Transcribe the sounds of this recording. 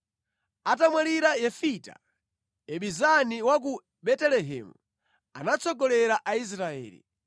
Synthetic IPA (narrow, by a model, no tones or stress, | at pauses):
atamwaliɾajɛfita̰ | ɛɓizaniwak̬u | ɓɛtɛlɛɦɛ̰mu | anat͡sʰɔɡɔlɛɾaʔais̬ɾaɛ̰ːlḭ